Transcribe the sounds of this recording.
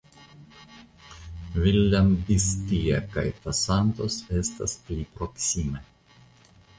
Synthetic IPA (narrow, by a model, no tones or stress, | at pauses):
vilʲːambistia̰ka̰jt̪asant̪osest̪a̰splipɾoksime